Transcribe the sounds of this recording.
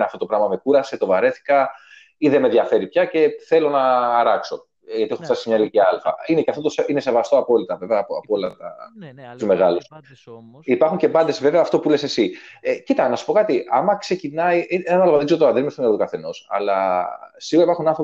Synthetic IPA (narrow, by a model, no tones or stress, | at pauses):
nɐft̪o̞t̪o̞pɾɐmɐme̞kuɾɐse̞t̪o̞vɐɾe̞θi̥kɐ | iðeme̞ðjɐfe̞ɾipçɐce̞θe̞lo̞nɐːɾɐkso̞ | ʝɐt̪ieopst̪ɐkisimɲɐiliciɐlfɐ̰ine̞ceɐft̪ot̪oseine̞se̞vɐst̪oɐpo̞lit̪ɐve̞veɐpoɐpoolɐt̪ɐ̰t̪uzme̞ɣɐlus | ipɐɾxuɲce̞bɐnd̪e̞sve̞veɐːft̪o̞pule̞sesiecit̪ɐnɐsu̥po̞kɐt̪iɐmɐkse̞cinɐieɐnɐloɐðisoot̪oɐðiimest̪oneɾot̪ukɐθe̞no̞sɐ̰lɐsiɣoɐipɐɾxunɐnθɾo